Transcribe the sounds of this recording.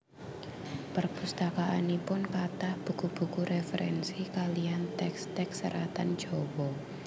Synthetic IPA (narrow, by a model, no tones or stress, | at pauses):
pərpust̪akaʔa̰nipʊnkat̪ahb̥ṳkub̥ukuɾefəɾʔɛ̰nsikaliant̪ɛkst̪ɛksəɾat̪an̥d͡ʒ̥ɔwɔ